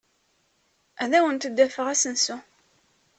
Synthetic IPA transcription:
æðæwənt̪d̪ːæfəʁæsənsu

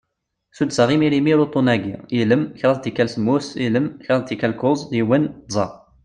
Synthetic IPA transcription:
sud̪səʁimiɾimiɾut̪ˤonæɡḭiləmçɾˤɑðt̪ikælsmusiləmçɾˤɑðt̪ikælkʊzˤiwənd̪zˤɑ

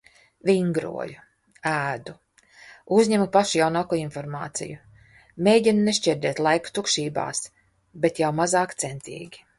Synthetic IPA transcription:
vʲiŋɡɾṵɔju | æːd̪u | uzɲemupaʃujawnaːkuːinfɔɾmaːt̪sḭju | meːjɟʲinuneʃt͡ʃʲɛɾd̪ʲɛːt̪lˠajku̥t̪ukʃiːba̰ːs | bet̪jawmazaːkt̪sent̪ḭːɡʲi̥

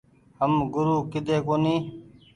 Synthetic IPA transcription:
ɦəmɡʊɾuːkɪd̪eːkoːniː

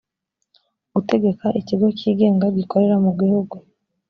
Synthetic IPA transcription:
ɡ̥ute̞ɡe̞kaʔiciɡo̞ciːɡe̞ːŋɡaɡiko̞ɾe̞ɾamuɡihuɡu

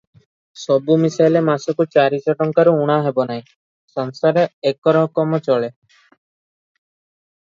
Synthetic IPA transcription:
sɔbumisajlemasɔkut͡ʃaɾit͡ʃɔʈɔŋkaɾuuɽ̃aɦebɔnaɦĩ | sɔŋsaɾeekɔɾɔ̃ɔkɔmɔt͡ʃɔɭe

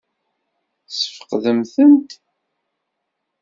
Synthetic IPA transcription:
sə̥fə̥qðəmθənt̪

